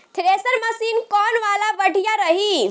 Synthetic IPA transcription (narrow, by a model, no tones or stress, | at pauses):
t̪ʰɾesəɾməsinkɔnʋalabəɽʱijaɾəɦi